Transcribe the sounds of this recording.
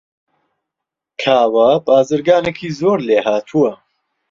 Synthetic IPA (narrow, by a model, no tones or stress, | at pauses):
kʰaːwɐbaːzɨɾɡaːnekʰiːzoːɾleːhaːt̪ʰuwɐ